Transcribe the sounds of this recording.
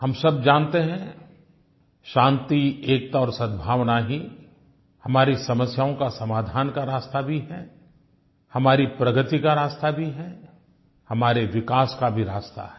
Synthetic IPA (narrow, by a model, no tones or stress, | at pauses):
hɐmsɐbd͡ʒãːnt̪eɦɛ̃ | ʃãːnt̪ieːk̚t̪aɔːɾsɐd̪̚bʱaːʋnaɦi | hɐmaːɾisɐməsjaːõkasɐmaːd̪ʱaːnkaɾaːst̪abʱiɦɛ | hɐmaːɾipɾɐɡət̪ikaɾaːst̪abʱiɦɛ | hɐmaːɾeʋɪkaːskabʱiɾaːst̪a̰ɦɛ